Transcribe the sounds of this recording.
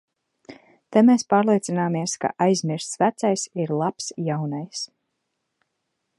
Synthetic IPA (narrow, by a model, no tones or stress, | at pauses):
t̪ajmeːspaːɾlˠiɛt̪sinaːmiɛska̰ʔajzmiɾst̪svæt̪sajsiɾlˠapsjawnajs